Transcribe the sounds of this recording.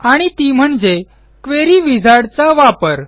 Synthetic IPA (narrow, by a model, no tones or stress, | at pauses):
aɽ̃it̪iːm̤əɳd͡ze | kʋeɾiːʋid͡zʱaɽt͡saʋapəɾ